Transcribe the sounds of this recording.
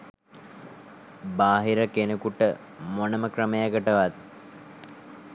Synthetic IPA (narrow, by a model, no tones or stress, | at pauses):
baːɦiɾəkenekuʈə | monəməkrəməjaɡəʈəʋat̪̚